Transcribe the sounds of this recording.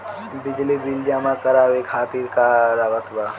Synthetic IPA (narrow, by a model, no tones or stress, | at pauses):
bɪd͡ʒlibild͡ʒaːmãkɐɾaːʋekʰaːt̪iːɾkaɾaːʋət̪ba